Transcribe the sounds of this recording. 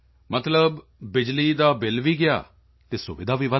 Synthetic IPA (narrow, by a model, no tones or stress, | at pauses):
mət̪ləbː | ɪd͡ʒliːd̪aːbɪlʋiːɡɪja̰ː | t̪eːsʊʋɪd̪aːʋiːʋə